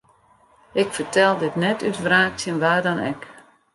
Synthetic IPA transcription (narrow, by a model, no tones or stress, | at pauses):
ɪkfərtɛlˠdɪtnɛtytvraːk̚tjənʋaːrdɔnɛ̰k